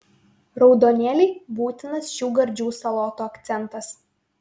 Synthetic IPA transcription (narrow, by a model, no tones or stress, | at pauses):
ɾɒʊd̪oːnʲeːlʲɛɪbuːt̪ʲɪnɐsʃuːɡɐɾʲd͡ʒʲuːsɐlˠɔːt̪oːɐkt̪sʲɛnˑt̪ɐs